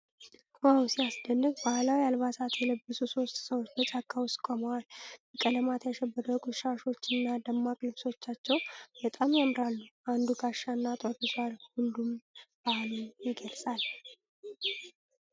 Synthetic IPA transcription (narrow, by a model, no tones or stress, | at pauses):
wawsijasd̪ənːɨɡbahlawialβat̪ʰat̪jɛləbːəsuso̞st̪ʼsəwot͡ʃːbət͡ʃʼakʼːawʊskʼoməwalbəkʼələmat̪ʰjaʃɛbːəd̪əkʼʊʃaʃo̞t͡ʃːɨnːad̪əmːakʼlɨβso̞t͡ʃːat͡ʃːɛwbət̪ʼamjamɨɾalːuʔand̪uɡʰaʃːanːat̪ʼəkusaɾhʊnd̪umb̥ahlɨnjɪɡəlsʼal